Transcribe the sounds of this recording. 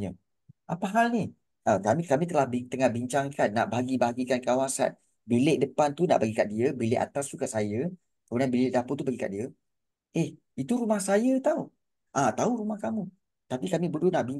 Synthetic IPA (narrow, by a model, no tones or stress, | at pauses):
ɲə | ʔapaɦalni | ʔəkamikamĩt̪əlahbit̪əŋahbiɲt͡ʃaŋkanːa̰ʔbaɦaɡibaaɡikankawasa̰n | bileʔ̚dəpant̪una̰ʔbaɡikaʔdiəbilɪʔa̰t̪ast̪ukaʔsajə | kəbənanbilɪʔdapot̪ubaɡika̰ʔdiə | eh | it̪uɾumahsajət̪au | ʔat̪auɾumahkamũ | t̪apikamĩbəɾunaʔbi